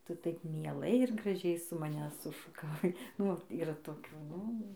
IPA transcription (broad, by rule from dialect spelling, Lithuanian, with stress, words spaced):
ˈtʊ ˈtɐɪp mʲiɛˈlˠɐɪ ɪr ɡrɐˈʒʲɛɪ sʊ mɐˈnʲɛ sʊʃʊkɐˈʋɐɪ ˈnʊ ʋɐt iːˈrɐ toːˈkʲuː ˈnʊ